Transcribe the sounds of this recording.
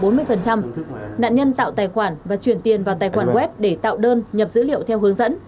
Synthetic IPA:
ɓo˨˦nmɨ˧əjfə˨˩nt͡ɕa˧mna̰ː˧˨nɲə˧nt̪a̰ː˧˨wt̪aː˨˩jxwaː˧˩nvaː˨˩t͡ɕwi˧˩ənt̪i˨˩ənvaː˨˩wt̪aː˨˩jxwaː˧˩nɣwɛ˦˥p̚ɗe˧˩t̪a̰ː˧˨wɗəː˧nɲə˨˩p̚zɨ̰˧˥lḭ˧˨ə˨wt̪ʰɛ˧wɦɨ˨˦əŋzə̰˧˥n

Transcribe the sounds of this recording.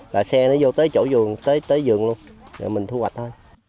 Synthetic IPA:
laː˨˩sɛ˧nɔ˨˦zo˧t̪əː˨˦jt͡ɕo̰˧˥zɨ˨˩əŋt̪əː˨˦jt̪əː˨˦jzɨ˨˩əŋlu˧ənza̰ː˨˩mï˨˩ŋt̪ʰu˧hwa˨˩t̟̚t̪ʰoː˧j

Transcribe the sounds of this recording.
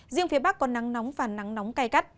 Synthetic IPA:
zɨ̰˧˨əŋfi˨˦əɓa˦˥k̚ːɔ˨˧˩nːa˨˦ŋnɔ˨˦wŋ͡mvaː˨˩na˨˦ŋnɔ˨˦wŋ͡mkaː˧jka˦˥t̚

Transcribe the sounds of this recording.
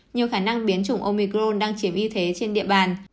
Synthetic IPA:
ɲi˨˩əwxaː˧˩na˧ŋɓi˨˦ənt͡ɕʊ˨˧˩ŋ͡mʔo˧mi˧kɾo˧nɗaː˧ŋt͡ɕi˨˦əmʔi˧t̪ʰe˨˦t͡ɕe˧nɗḭ˧˨əɓaː˨˩n

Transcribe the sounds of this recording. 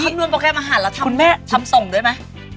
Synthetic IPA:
a˥˩˥m̚nu˧ənpɔː˧kɛː˧˩mʔaː˧ɦaː˩˦nlɛ˦˥t̪ʰa˧u˧nmɛː˥˩t̪ʰa˧˥mso˨˩ŋdu˥˩əjma˦˥j

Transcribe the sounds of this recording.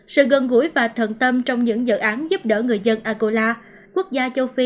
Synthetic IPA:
sɨ̰˧˨ɣə˨˩nɣṵ˧˩˥jvaː˨˩t̪ʰə˨˩nt̪ə˧mt͡ɕɔ˧wŋ͡mɲɨ̰˧˥ŋzə̰ː˧˨˩ʔaː˨˦nzu˦˥p̚ɗəː˧˩ŋɨ˨˩əjzə˧nʔaː˧ko˧laː˧ | kwu˦˥ək̚zaː˧t͡ɕə˧wfi˧

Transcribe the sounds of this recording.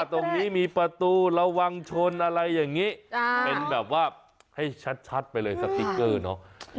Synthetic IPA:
t̪o˧ŋniː˦˥miː˧pɾa˧t̪uː˧ɾa˧wːa˧ŋt͡ɕʰo˧nʔa˧ɾa˧jːaː˨˩ŋːiː˦˥pe˧nbɛː˨˩p̚waː˥˩ | ha˥˩jt͡ɕʰa˦˥t̪̚t͡ɕʰa˦˥t̪̚pa˧jlɤː˧jsa˨˧˥k̚t̪i˦˥kːɤː˥˩nɔ˦˥

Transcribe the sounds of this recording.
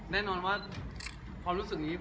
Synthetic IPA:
nɛː˥˩nɔː˧nwaː˥˩ | kʰwaː˧mɾuː˦˥sɯ˨˩k̚niː˦˥

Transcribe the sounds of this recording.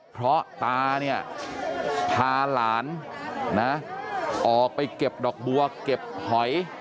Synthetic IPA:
pʰɾɔ˦˥ʔt̪aː˧ni˥˩ɐ | pʰaː˧laː˩˦nna˦˥ʔɔː˨˩k̚pa˧jke˨˩p̚dɔː˨˩k̚bu˧ɐke˨˩p̚hɔ˨˩˦j

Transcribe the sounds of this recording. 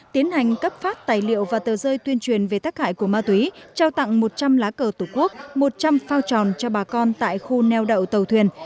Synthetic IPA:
t̪i˨˦ənha˨˩jŋ̟kə˦˥p̚faː˦˥t̚t̪aː˨˩jlḭ˧˨əwvaː˨˩t̪əː˨˩zəː˧jt̪wi˧ənt͡ɕwi˨˩ənve˨˩t̪aː˦˥k̚ha̰ː˧˨jku˧˩əmaː˧t̪wi˨˦t͡ɕaː˧wt̪a̰˧˨ŋmo˨˩t̚t͡ɕa˧mlaː˨˦kəː˧˩t̪u˧˩ku˦˥ək̚mo˨˩t̚t͡ɕa˧mfaː˧wt͡ɕɔ˨˩nt͡ɕɔ˧ɓaː˨˩kɔ˧nt̪a̰ː˧˨jxu˧nɛ˧wɗə̰˧˨wt̪ə˨˩wt̪ʰwi˨˩ən

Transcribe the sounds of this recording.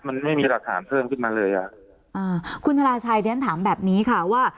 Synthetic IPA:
ma˧nma˥˩jmiː˧la˨˩t̪ʰa̰ː˩˦npʰɤː˥˩mkʰɯ˥˩nmaː˧lɤː˧jʔa̰˨˩ʔ | ʔaː˧˩kʰu˧nt̪ʰa˧ɾaː˧t͡ɕʰaː˧jle˦˥nt̪ʰaː˩˦mbɛː˨˩p̚niː˦˥kʰa˥˩waː˥˩

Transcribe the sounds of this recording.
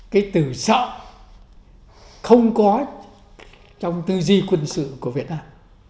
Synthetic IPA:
kaː˨˦jt̪ɨ˧˩sə̰ː˧˨ | xə˧wŋ͡mkɔ˨˦ | t͡ɕɔ˧wŋ͡mt̪ɨ˧zi˧kwə˧nsɨ̰˧˨ku˧˩əvi˨˩ət̚naː˧m

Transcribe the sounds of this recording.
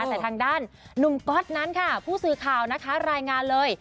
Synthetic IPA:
t̪ɛː˨˩t̪ʰaː˧ŋdaː˥˩nː | u˨˩mkɔ˦˥t̪̚na˦˥nkʰa˥˩pʰuː˥˩sɯː˨˩kʰaː˨˩wna˦˥kʰa˦˥ɾaː˧jŋaː˧nlɤː˧j

